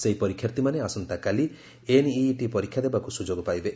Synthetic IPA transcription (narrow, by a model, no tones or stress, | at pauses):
seɦipɔɾikʰjaɾt̪imaneasɔnt̪akali | eniʈipɔɾikʰːjad̪ebakusud͡ʒoɡɔpajbe